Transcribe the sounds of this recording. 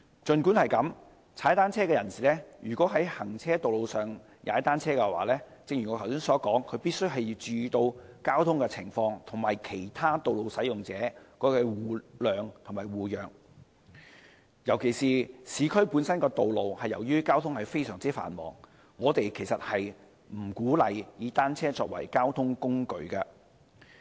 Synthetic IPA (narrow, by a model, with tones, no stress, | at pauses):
t͡ʃɵ˨nkuː˨˥nhɐ˨jkɐ˨˥m | t͡sʰaː˨˥jt̪aː˥nt͡sʰɛː˥kɛː˧jɐ˨˩nsiː˨lɛː˥jyː˨˩kʷwɔː˨˥ɦɐ˨˥jhɐ˨˩ŋt͡sʰɛː˥t̪o˨wlo˨˧wsœː˨˩ŋ | jʔa̰ː˨˥ɐ˥t̪aː˥nt͡sʰɛː˥kɛ˧wa̰ː˨˥lɛː˥ | t͡sɪ˧ŋjy˨˩ŋɔː˨˧tʰwsiː˥ŋsɔː˨˥kɔː˨˥ŋkʰɵ˨˧ɥpiː˥t̚sɵ˥ɥɦɐ˨jt͡ʃyː˨˧t̪o˧wkaː˥wt̪ʰʊ˥ŋkɛː˧t͡sʰɪ̰˨˩ŋfɔː˧ŋt̪ʰʊ˨˩ŋmaː˨jkʰe˨˩jt̪ʰaː˥t̪o˨wlo˨wsɐ˨˥jʊ˨ŋt͡sɛː˨˥kɔː˨˥kɛː˧wuː˨˩lœː˨ŋt̪ʰmaː˨˩jwuː˨jœː˨ŋ | jɐ˨˩wkʰe˨˩jsiː˨siː˨˧kʰɵ˥ɥpu˨˥nsɐ˥nkɛː˧t̪o˨wlo˨whɐ˨jɐ˨˩wjyː˥kaː˥wt̪ʰʊ˥ŋhɐ˨jfe˥jsœː˨˩ŋt͡siː˥fa̰ː˨˩nmɔ̰ː˨˩ŋ | ŋɔː˨˧t̪e˨jkʰe˨˩jsɐ˨t̚hɐ˨j | m̩˨˩kuː˨˥lɐ˨jjiː˨˧t̪aː˥nt͡sʰɛː˥t͡sɔ̰ː˧k̚wɐ̰˨˩jkaː˥wt̪ʰʊ˥ŋkʊ˥ŋkɵ̰˨˧ɥkɐ˧